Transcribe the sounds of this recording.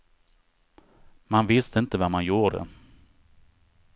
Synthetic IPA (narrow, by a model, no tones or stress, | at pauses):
manvɪst̪əɪnt̪əvamanjuːɖɛ̰